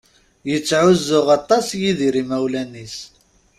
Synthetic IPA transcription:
jət͡sːʕʊzːʊʁɑt̪ˤːɑsjiðiɾimæwlænis

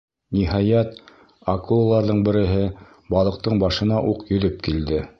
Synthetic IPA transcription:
niɦɑjæt̪ | akulˠlˠɑɾðɤɴbɘ̆ɾɘ̆ɦɘ | bɑlˠɤ̆q̚t̪ɤɴbɑʃɤ̆nɑʔuqjɵ̆ðɵp̚kild̪ɘ

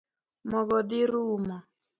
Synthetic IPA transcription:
mɔβɔd̪iɾuma

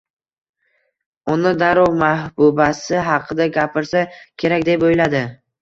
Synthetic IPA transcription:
ʊnɪd̪aɾɒwmahbʊbasɪɦɑqʰɨd̪aɡʲapʰɪɾsakʲʰe̞ɾakʲd̪e̞pojlad̪ɪ

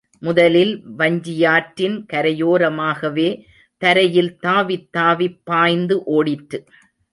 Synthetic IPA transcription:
mʊðɐlɪlʋɐɲd͡ʒɪjaːʈɾɪnkɐɾɐjoːɾɐmaːɣɐʋeː | t̪ɐɾɐjɪlt̪aːʋɪt̪ːaːʋɪpːaːjnd̪ɯʔoːɽɪʈːɯ

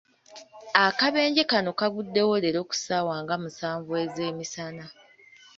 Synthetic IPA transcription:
akaβe̞ːɲɟe̞kano̞kaɡudːe̞woleɾo̞ːku̥saːwaːŋɡamusaːɱvwe̞ːze̞ːmisana

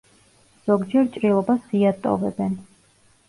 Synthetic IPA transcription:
z̥ɔɡd͡ʒɛɾt͡ʃʼɾilˠɔbasiat̪ʼɔ̰vɛbɛn

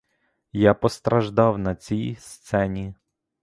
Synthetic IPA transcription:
japɔst̪ɾɐʒd̪ɑwnɐt͡sʲijst̪sɛnʲi

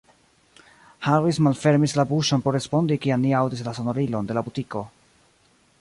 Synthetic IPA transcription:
haɾismalfe̞ɾmislabuʃo̞npo̞ɾɾe̞spo̞ndikiamniawdis̬laso̞no̞ɾilo̞nde̞labutiko̞

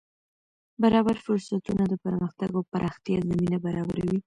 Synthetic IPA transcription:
baɾɑbaɾfʊɾsat̪unad̪əpəɾməxt̪aɡopaɾʔɑxt̪jɑzaminabaɾɑba̰ɾawi

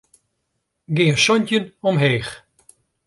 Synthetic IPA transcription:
ɡɪːəsɔncənɔmɦeːx

